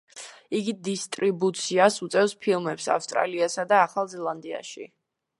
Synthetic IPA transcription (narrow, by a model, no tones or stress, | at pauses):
iɡid̪ist̪ʼɾibut̪sʰiasut̪sʼɛvspʰilˠmɛpsa̰fst̪ʼɾa̰liasad̪aːχalˠzɛlˠand̪ia̰ʃḭ